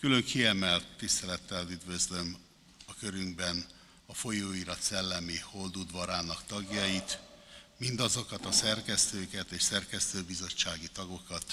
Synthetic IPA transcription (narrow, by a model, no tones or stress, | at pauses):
kylø̞ŋkʰiɛmɛlt̪ːist̪ɛlɛt̪ːɛlyd̪vø̞zlø̞m | ɒkø̞ɾyŋɡbɛn | ɒfo̞joːiɾɒt̪sɛlːɛmiho̞ld̪ud̪ʋɒɾaːnɒkt̪ɒɡjɒjit̪mind̪ɒzo̞kɒt̪ɒsɛrkɛst̪øːkɛt̪eːʃsɛrkɛst̪øːbizo̞t͡ʃːaːɡit̪ɒɡo̞kɒt̪